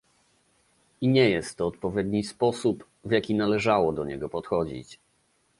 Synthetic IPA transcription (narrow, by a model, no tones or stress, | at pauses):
iɲɛjɛst̪ːɔːt̪pɔvʲjɛd̪ɲispɔsup | vʲjakʲinalɛʐawɔd̪ɔɲɛ̰ɡɔpɔt̪xɔd͡ʑḭt͡ɕ